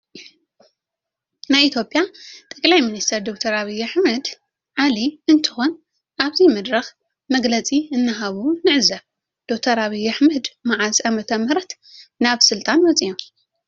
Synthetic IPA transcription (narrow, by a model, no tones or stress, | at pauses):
najʔit̪ʰjo̞pʼːjat̪ʼɐkʼlajminist̪ʰɐɾd̪ok̚t̪ʰɐɾaβɐjaħmɐd̪ | ʕaliɨnt̪ʰɨxo̞n | ʔaβzimɨd̪ɾɐx | mɐɡlɐt͡sʼiɨnːɨɦaβunɨʕɨzɐβ | d̪̥ok̚t̪ʰɐɾaβijaħmɐd̪maʕazamɐt̪ʰɐmhɨɾɐt̪ | naβsɨlt̪ʼanwɔt͡sʼijom